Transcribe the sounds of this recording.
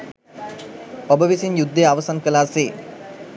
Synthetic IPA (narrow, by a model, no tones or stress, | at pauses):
obəʋisinjud̪ːejaʋəsankəlaːse